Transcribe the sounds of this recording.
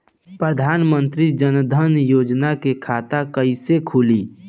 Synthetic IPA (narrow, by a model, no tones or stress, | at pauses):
pɾəd̪ʱaːnmənt̪ɾid͡ʒənd̪ʱənjoːd͡ʒnakekʰaːt̪akəisekʰuliː